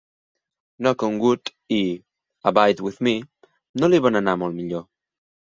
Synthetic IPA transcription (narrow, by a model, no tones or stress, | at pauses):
nɔkoŋɡut̪ | i | abajd̪wiθmi | noliβananamolmiʎo